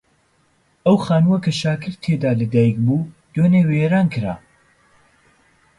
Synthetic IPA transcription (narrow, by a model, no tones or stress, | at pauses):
ʔɐwχaːnuwɐkʰɐʃaːkʰɨɾt̪ʰeːd̪aːlɐd̪aːjik̚buː | d̪̥oːneweɾaːnkɨɾa̰